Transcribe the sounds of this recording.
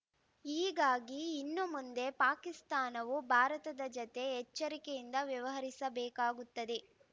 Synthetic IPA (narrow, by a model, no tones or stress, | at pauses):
iːɡaːɡiːnːumund̪e̞paːkist̪aːnɐʋubʱaːɾɐt̪ɐd̪ɐd͡ʒɔt̪e̞ɦɛt͡ʃːɐɾikejind̪ɐʋjɐʋɐɦɐɾisɐbɛːkaːɡut̪ːɐd̪e̞